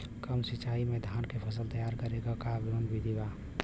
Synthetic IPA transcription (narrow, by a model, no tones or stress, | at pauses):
kəmsit͡ʃaːimẽd̪ʱaːnkepʰəs̬əlt̪əjaːɾkəɾeɡakabonbʱid̪iba